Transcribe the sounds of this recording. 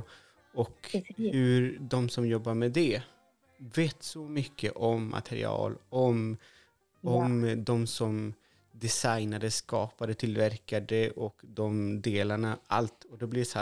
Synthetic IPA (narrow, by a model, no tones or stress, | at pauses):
ɔkhhɵɾd̪ɔmsɔmjɔbːaɾmɛd̪ɛ | veːt̪sɔmʏkːə̰ʔɔmːʔa̰t̪ʰɛɾɪ̰ɑ̰ːlɔm | ɔmd̪ɔmsɔm | d̪ɪsajnad̪əskɑːpad̪ət̪ʰɪlvæɾkad̪əʔɔkd̪ɔmd̪eːlaɳaa̰lt̪ɔd̪ɛblɪsa